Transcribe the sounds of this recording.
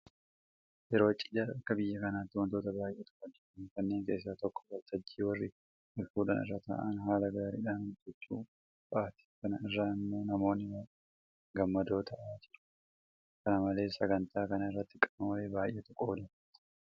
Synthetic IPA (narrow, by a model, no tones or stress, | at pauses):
ʔɛɾo̞ːt͡ʃʼɪdaɐkːɐbɪjːɐkɐnaːt̪ːɪwɐnt̪o̞ːt̪ɐbaːjʔeːt̪kʼːɔd̪ɪɪkɐnːe̞ːŋke̞ːs̬ːaːt̪ɔkːɔ̥ɡɐlt̪ʰɐd͡ʒːiːwɐrːɪ | ʊlfuːᶑɐ̰nɪ̰rːaːt̪a̰ːʔɐnɦaːlɐɡaːɾiᶑaːnd͡ʒɛt͡ʃːṵː | bɐaːt̪ɪ̥kɐnɐ̰ɪrːaːɪmːo̞ːnɐmo̞ːnːɪwɐ | ɡɐmːɐd̪o̞ːt̪ʰɐʔaːd͡ʒɪᶑʊ̥ | kɐnɐmɐle̞ːsɐɡɐnt̪aːkɐnɐɪrːɐt̪ːɪkʼɐnoːʔeːbaːjʔːeːt̪ʊkʼoːd̪ɪ